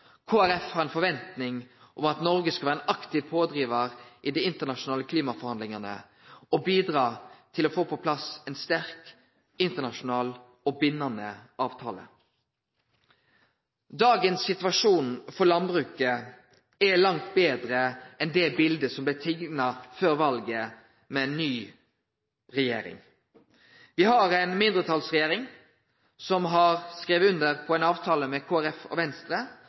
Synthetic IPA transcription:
kʰoːæɾɛfhæɾɛnfɔʋɛnt̪nɪŋ | ʔɔmɑt̪nɔɾɡəskɑʋæːʁɛnʔɑkt̪ɪʋpʰoːd̪ɾiːʋəɾʔid̪ɛːɪnt̪ənɑʂʊnɑːləkʰliːmɑfɔɾhɑnd̪lɪŋɑnə̰ | ɔbiːd̪ʁɑːt̪ʰɪlɔfoːpʰɔpʰlɑsɛnst̪æʁk | ɪnt̪ənɑʃʊnɑːl | ɔbɪnːɑnəɑːʋt̪ʰɑːlə̰ | d̪ɑːɡənsːɪt̪ʋɑʂuːnfɔɾlɑnbɾʉːkə | ɛlɑŋt̪beːd̪ɾəɛnd̪ɛbɪld̪əsɔmblɪt̪ʰɪɡnɑføːɾʋɑlɡə | mɛnːyː | ɾɛjḛːɾɪ̰ŋ | ʋɪɦɑɾɛɪnmɪnd̪ɾət̪ʰɑlsʁɛjeːɾɪŋ | sɔmɦɑɾskɾeːʋəʉnd̪əɾpʰɔɛnɑːʋt̪ʰɑːləmɛkʰoːæɾɛfɔ̰ʋɛnst̪ɾə

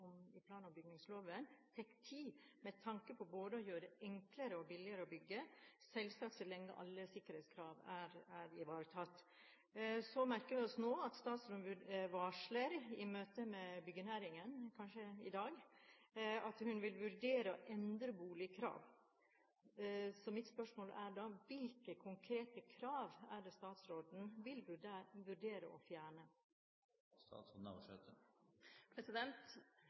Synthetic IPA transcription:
ɔmɪpʰlɑːnɑmbʏɡnɪŋsloːʋənt̪ʰɛkːt̪ʰiːmɛt̪ʰɑŋkəpʰɔboːd̪əɔjøːɾəɛŋkləɾəɔbɪlɪəɾəɔbʏɡːəsɛlsɑːk̚t̪ʰɪlɛŋːə̰ʔɑ̰lːəsɪkːəɾhɛɪt̪skʰɾɑːʋæɾæɾɪʋɑːɾt̪ʰɑt̪ː | sɔmæɾkəʋɪɔsnoːɑt̪st̪ɑːt̪sɾɔmʋʉʋɑʂləɾɪmøːt̪əmɛbʏɡːənæːɾɪŋənkʰɑnʃəɪd̪ɑːɡ | ɑt̪hʉnʋɪlʋʉɾɖeːɾəɔʔɛnd̪ɾəbuːlɪəkʰɾɑ̰ːʋ | sɔmɪt̪spœʂmoːlʔæɖɑːʋɪlkəkʰʊŋkʰɾeːt̪əkʰɾɑːʋæɖɛst̪ɑːt̪sɾoːd̪n̩ʋɪlʋʉɖeːɾə̰ʔɔ̰fjæːɳə | st̪ɑ̰ːt̪sɔd̪nɑ̰ʋʂɛ̰t̪ə | pʰɾɛsɪd̪ɛnt̪

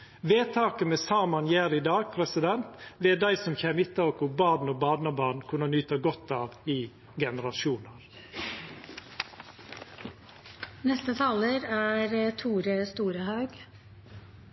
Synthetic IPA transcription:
ʋeːt̪ʰɑːkəmɛsɑːmɑnjæːɾɪd̪ɑːɡ̚pʰɾɛsɪd̪ɛnt̪ʋeːd̪æɪsɔmçeːmɪt̪ːɑokʊbɑːd̪noːbɑːd̪nɑbɑnkʰʉnənyːt̪əɡɔt̪ːɑːʋɪ | ɡɛnəɾɑʃuːnəɾ | nɛst̪ət̪ʰɑːləɾæːɾt̪ʰuːɾəst̪uːɾəhɑʉɡ

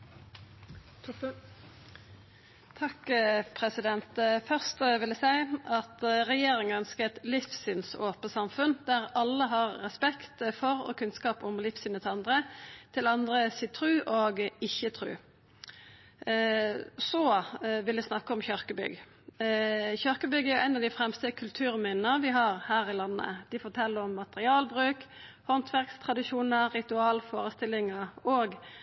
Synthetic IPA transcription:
t̪ʰɑkpʰʁɛsɪd̪ɛnt̪fœʁst̪ʋɪlæsæɪɑt̪ʁɛjeːʁɪŋəœnskət̪lɪfsʏnsoːpəsɑmfʉnd̪æʁɑlːəɦɑʁːɛspɛkt̪fɔʁo̰ːkʰʉnskɑːpʊmlɪfsʏnət̪ʰɑnd̪ʁət̪ʰɪlɑnd̪ʁəsiːt̪ʰʁʉːʔoːɡɪçːət̪ʰɾʉ̰ː | sɔʋɪld̪ɪsnɑkːəɔmçœʁkəbʏ̰ɡ | çœʁkəbʏɡəæɾjʊɛɪnɑʋd̪ɪfɾɛmst̪əkʰʉlt̪ʰʉːɾmɪnːəʋɪɦɑʁhæːʁɪlɑnːə̰d̪̥ɪfɔʁt̪ʰɛlːəɔmːɑt̪əʁɪɑːlbʁʉːkhɔnt̪ʰʋæʁkst̪ʰʁɑd̪ɪʃuːnəːɪt̪ʉɑːlfoːɾəst̪ɪlːɪŋəoːɡ

